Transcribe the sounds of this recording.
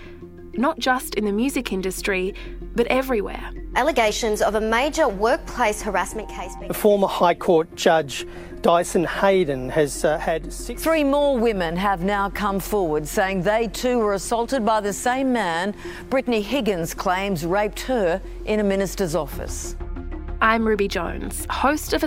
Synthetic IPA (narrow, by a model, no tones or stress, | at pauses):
nət̚d̥ʒ̥ʌstɨ̃nðɨmjʉzɨkʰɪ̃ndɨstɹ̥ib̥ʌɾʔɛvɹiwɛ̰ɹʔælˠəɡeɪʃɨ̃nzʌvəmeɪd͡ʒə˞wɜ˞k̚pʰl̥eɪshə˞æsmɨ̃nkʰeɪsb̥əfɔɹmə˞haɪkʰɔɹt̚d̥ʒ̥ʌd͡ʒ | d̥aɪsɨ̃n̩heɪd̃ⁿn̩ɨz̥ɨd̥sɪθɹimɔɹwɪ̃mɨ̃nəvnaʊkʰʌ̃ɱfɔɹwə˞dseɪɪ̃ŋðeɪtʰʉwə˞ɨsʌlˠtɨd̚baɪðɨsẽɪ̃mːæ̃n | b̥ɹɪtⁿn̩iɦɪɡɨ̃nz̥kʰl̥ẽɪ̃mzɹeɪp̚t̚hə˞ | ʔɨ̃ñɨmɪ̃nɨstə˞zɔfɨ̰s | ʔãɪ̃mɹʉbid͡ʒʌ̰̃ʊ̃nz̥həʊstʌvə